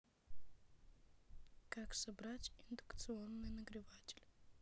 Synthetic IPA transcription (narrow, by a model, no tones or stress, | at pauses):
kaksɐbɾatʲɪnd̪ʊkt̪sɨo̞nːɨjnəɡɾʲɪvatʲɪ̥lʲ